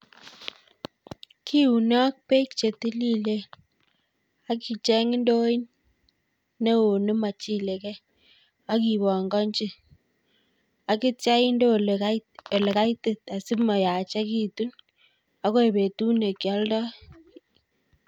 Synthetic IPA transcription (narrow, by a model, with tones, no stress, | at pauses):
kʰi˦u˨nɔ˦k̚pe˦kt͡ʃe˨tɪ˦li˦le˦ | a˦ki˨t͡ʃɛ˦ŋɪ˦ndo˦i˦n | ne˦o˨nɪ˦ma˨t͡ʃi˦le˨kɛ˦ | a˦ki˨βɔ˨ŋɡɔ˦nt͡ʃɪ˦ | a˨kɪ˦tja˦i˦ndo˦ | o˨le˨ka˦jtɪ˨ta˨sɪ˦ma˨ja˨t͡ʃa˦ki˨tu˦n | a˦ko˦e˨be˨tu˦ne˨kjɔ˦ldɔ˦